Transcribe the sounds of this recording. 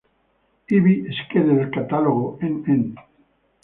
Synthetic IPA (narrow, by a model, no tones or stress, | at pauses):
iβieskeðeelkat̪aloɣoenen